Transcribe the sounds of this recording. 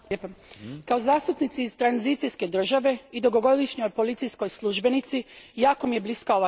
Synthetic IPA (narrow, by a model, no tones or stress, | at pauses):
epakaozaːst̪upnit̪siːzt̪ɾanzit̪siske̞d̪r̩ʒaʋe̞id̪oɡo̞ɡo̞d̪iʃɲo̞jpo̞lit̪sijsko̞jslˠuʒbe̞nit̪sijaːko̞mije̞bliskao̞ʋa